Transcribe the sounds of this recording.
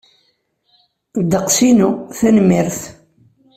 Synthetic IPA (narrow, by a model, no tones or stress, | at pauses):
d̪ːəqsinuθænmiɾθ